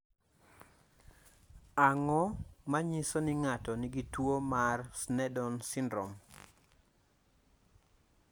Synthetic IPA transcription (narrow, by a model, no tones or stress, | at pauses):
aŋɔmaɲɪsɔnɪŋatɔnɪɡitwomarsnɛdɔnsɪndɾɔ̰m